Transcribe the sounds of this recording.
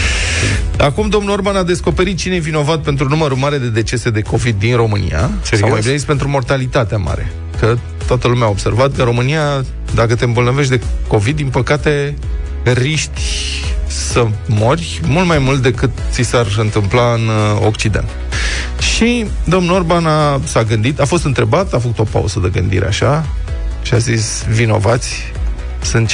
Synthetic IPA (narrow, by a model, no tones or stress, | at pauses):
akumd̪o̞mnuo̞rbanad̪e̞sko̞pe̞ɾit̪̚t͡ʃinejevino̞vat̪̚pe̞nt̪ɾunuməɾumaɾe̞d̪e̞d̪e̞t͡ʃe̞se̞d̪e̞ko̞vid̪ːinro̞mɨnḭja̰sa̰majbineispe̞nt̪ɾumo̞rt̪alit̪at̪eama̰ɾe̞̰ | kə | t̪oat̪əlumeaobse̞rvat̪̚kəɾo̞mɨnia | d̪akət̪e̞ɨmbolnəveʃ̬t̪̬d̪e̞ko̞vid̪̚ːinpəkat̪e̞ | riʃt̪ʲ | səmo̞rʲ | mult̪majmult̪̚d̪e̞kɨt̪sisarɨnt̪ɨmplaɨno̰kt͡ʃid̪e̞̰nt̪ | ʃid̪o̞mno̞rbanasaɡɨnd̪it̪afo̞s̬t̪ɨnt̪ɾe̞bat̪afəkut̪o̞pa̰ṵz̥əd̪eɡɨnd̪ḭɾḛa̰ʃa | ʃiazis | vino̞̰vat̪sʲ | sɨnt̪